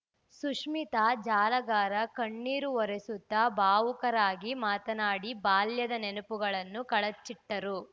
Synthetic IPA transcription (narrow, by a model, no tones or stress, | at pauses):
suʂmit̪ad͡ʒaːlɐɡaːɾɐkɐɳːiːɾuɔɾesut̪ːɐbaːʋukɐɾaːɡimaːt̪ɐnaːɽibaːljɐd̪ɐnenupuɡɐɭɐnːukɐɭɐt͡ʃːiʈːɐɾu